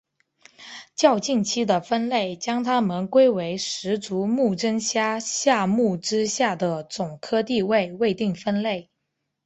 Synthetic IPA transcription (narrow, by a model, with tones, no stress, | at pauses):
t͡ɕjɑ˥˧ʊt͡ɕi˥˩nt͡ɕʰi˥d̪ə˨fə˥nle˥˩ɪt͡ɕjɑ˥ŋt̪ʰa˥mə˨nkwe˥ɪwe˧˥ɪʂɻ̩˧˥t͡su˧˥mu˥˩ʈ͡ʂə˥nɕja˥ɕja˥˧mu˥˩ʈ͡ʂɻ̩˥ɕja˥˩d̪ə˩t͡sʊ˨˩ŋkʰɤ˥t̪i˥˧we˥˧ɪwe˥˧ɪt̪i˥˩ŋfə˥nle˥˩ɪ